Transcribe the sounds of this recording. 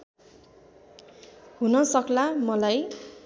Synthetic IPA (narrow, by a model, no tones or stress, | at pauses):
hunʌsʌklamʌlaj